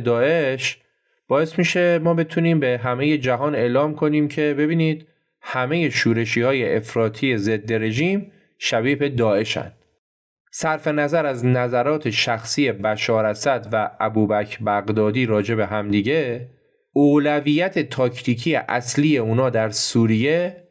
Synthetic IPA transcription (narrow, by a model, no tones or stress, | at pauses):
d̪ɒːe̞ʃ | b̥ɒːe̞smiːʃe̞mɒːbe̞t̪ʰuniːmbe̞ɦæme̞je̞d͡ʒæɦɒːne̞ʔlɒːmkʰo̞niːmcʰe̞be̞biːniːd̪̥ | hæme̞je̞ʃuːɾe̞ʃiːhɒːje̞ʔefɾɒːt̪ʰiːje̞ze̞d̪ːe̞ɾe̞ʒiːm | ʃæbiːfe̞d̪ɒːe̞ʃæ̰nd̪̥ | sæɾfe̞næzæɾæznæzæɾɒːt̪ʰe̞ʃæxsiːje̞bæʃɒːɾæsæd̪væʔæbuːbæcʰbæɣd̪ɒːd̪iːɾɒːd͡ʒe̞be̞ɦæmd̪iːɟe̞ | oːlæviːjæt̪ʰe̞t̪ʰɒːcʰt̪ʰiːcʰiːeʔæ̰sliːje̞uːnɒːd̪æɾsuːɾije̞